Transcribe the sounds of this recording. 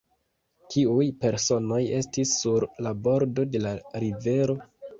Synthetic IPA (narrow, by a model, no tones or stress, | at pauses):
tʰiujpe̞ɾso̞no̞je̞stisːuɾlabo̞ɾdo̞de̞laɾive̞ɾo̞